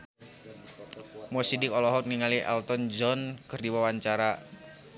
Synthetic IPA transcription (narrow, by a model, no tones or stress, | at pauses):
mɔsidikɔlɔɦɔk̚niŋaliɛ̰lt̪ɔnd͡ʒɔnkɨrdiwawaɲt͡ʃaɾa